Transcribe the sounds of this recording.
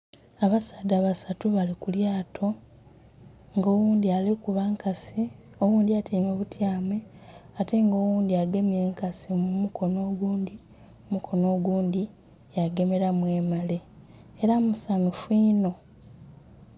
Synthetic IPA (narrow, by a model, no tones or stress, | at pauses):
aβasadaːβasatuβalikuljaːtʰo̞ | ŋɡo̞ːwuːnd̪ialekuβaŋkasi | o̞wuːnd̪iatʰiːmeβutjaːmeate̞ŋɡo̞ːwuːnd̪iaɡe̞mje̞ːŋkasimumukʰo̞no̞ːɡuːndi | omukʰo̞no̞ːɡuːnd̪i | jaɡe̞me̞ɾamwe̞ːmale̞ | eɾamusanufwiːno̞